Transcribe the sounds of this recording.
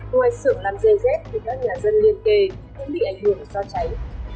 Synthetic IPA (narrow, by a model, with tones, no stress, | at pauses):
a˨˧˦jsɨ̰˧˨əŋlaː˨˩mze˧˩zɛ˦˥t̚vʰi˨˩kaː˦˥k̚ɲaː˨˩zə˧nli˧ənke˧˩ | kʊ̰˧˥ŋ͡mɓḭ˧˨ʔa˨˩jŋ̟hɨ˨˩əŋzɔ˧t͡ɕa˨˦j